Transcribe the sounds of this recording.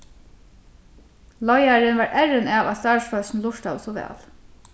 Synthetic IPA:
lɔjaɹɪnvaɹʔɛɹɪnaʋast̪aːɹsfœsnlʊʂt̪a̰wsɔʋɛ̰ːl

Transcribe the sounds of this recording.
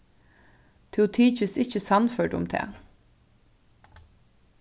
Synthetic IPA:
t̪ʰʉt̪ʰiːt͡ʃəsɪçəsɑnfœɖʊ̰mt̪ʰɛ̰ː

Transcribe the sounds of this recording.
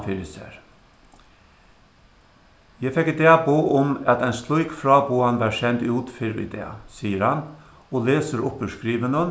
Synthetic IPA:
fɪɾɪsə̰ɾ | jæɪfɛkːɪd̪eːɑboːʔʊmɑt̪æɪnst̪lɔʏkfɾɑːbuːɑnʋɑːʃɛnt̪ʉːt̪fɪɾḭd̪ḛːɑ̰siːəɾhɑn | oːleːsəɾʊpəʂkɾiːʋənən

